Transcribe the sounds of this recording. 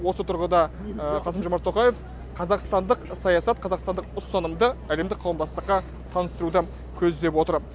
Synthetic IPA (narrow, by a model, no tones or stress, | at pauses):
wo̞sət̪ʰʊɾʁəd̪ɑ | qʰɑsəmʒomɑɾt̪ʰːo̞qɑje̞f | qʰɑzɑqst̪ɑnd̪əqsɑjɑsɑt̪̚qʰɑzɑqst̪ɑnd̪əqʊst̪ɑnəmd̪əæle̞md̪ɪk̚qʰɑwəmd̪ɑst̪əqːɑ | t̪ʰɑnəst̪əɾud̪ə | kʲʰɵzd̪e̞pwo̞t̪əɾ